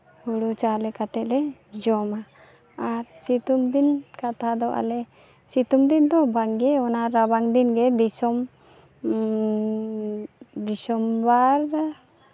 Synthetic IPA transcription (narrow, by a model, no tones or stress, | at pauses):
huɽut͡ʃalɛkat̪ɛʔlɛd͡ʒɔmaː | ɾsit̪umd̪inkat̪ʰad̪ɔʔa̰lɛ | sit̪umd̪ind̪ɔbaŋɡɛɔnaɾabaŋd̪inɡɛd̪isɔm | d̪isɔmbaɾ